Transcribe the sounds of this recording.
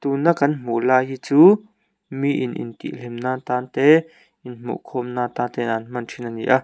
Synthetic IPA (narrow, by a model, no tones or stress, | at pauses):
t̪uːnakanm̥ulaːjit͡suː | mĩʔinʔḭnt̪ḭʔlimnaːnt̪aːnt̪eː | inmṵʔkʰomnãːnt̪aːnt̪enanmant͡ʃʰinanḭʔa